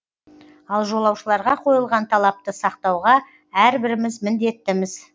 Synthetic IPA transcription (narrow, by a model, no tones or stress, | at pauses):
ɑlˠʒo̞lˠɑwʃəlˠɑɾʁɑqʰo̞jəlˠʁɑnt̪ʰɑlˠɑp̚t̪əsɑqt̪ɑwʁɑ | æɾbɪɾɪmɪzmɪnd̪e̞t̪ːɪmɪz̥